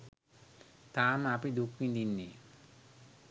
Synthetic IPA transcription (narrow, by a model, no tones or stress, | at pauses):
t̪aːmapid̪ukʋind̪inːi